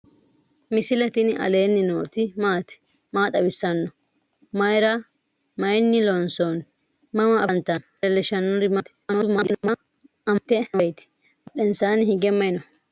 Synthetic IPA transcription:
mɪsɪlɛt̪ɪnʔɐ̰leːnːɪno̰ːt̪ɪmaːt̪ɪ̥ | maːt̪ʼɐbɪsːɐnːɔ | mɐjɾɐ | mɐjnːɪlɔnson | mɐmɐʔɐnt̪ɐn | ɛlːɪʃɐnːɔɾɪmɐt̪ɪ̥mɐmaɡ̪ɪnmɐ | ɐmt̪ɛɐjt̪ɪ̥ | ɔɗɛnsaːnɪhɪɡɛmːɐjɪnɔ

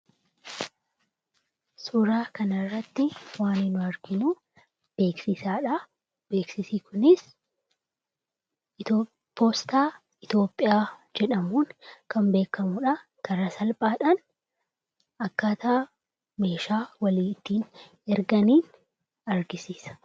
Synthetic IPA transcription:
sʊɾaːkɐnɐrːɐt̪ːɪwaːnɪnʊɐɾɡɪnʊ | b̥eːksɪsaːᶑɐ | b̥e̞ːksɪsikʊnɪs | pʰoːst̪aː | ɪt̪o̞ːpʼːɪjaːd͡ʒɛᶑɐmuːnkʰɐmbe̞ːkɐmʊᶑɐ | kɐɾɐsɐlpʼaːᶑɐn | ɐkːaːt̪aː | me̞ːʃaːwɐliːɪt̪ːiːn | ɛɾɡɐniːn | ɐɾɡɪsiːsɐ̥

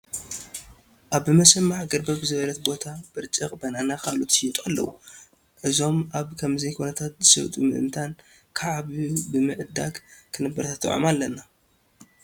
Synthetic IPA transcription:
ʔaβɨmɐsɐmːaħɡɐɾbɐbzɨβɐlɐt̪bo̞t̪ʰab̥ɨɾt͡ʃʼɨkʼbɐnanakalut̪t̪ʼalːɐ̰wu | ʔɨzo̞mʔaβkʰɐmzɐjkʰo̞nɐt̪ʰat̪̚zɨsɐ̰βt̪ʼṵmɨʔɨ̰nt̪ʰan | kʰaʕaβubɨmɨʔɨd̪a̰ɡkʰɨnɨbːɐɾt̪ʰat̪ːɨ̰ʕo̰malːɐna

